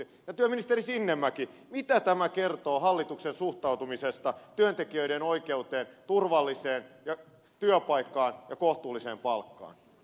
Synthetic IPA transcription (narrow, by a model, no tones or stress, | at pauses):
jɑt̪yøminist̪eɾisinːemːækimit̪æt̪æmækert̪oːɦɑlːit̪uksensuht̪ɑut̪umisest̪ɑt̪yønt̪ekiøiɾenoikeut̪eːnt̪urʋɑlːiseːnjɑ | t̪yøpɑikːɑːnjɑkoht̪uːlːisḛːmpɑlkːɑ̰ːn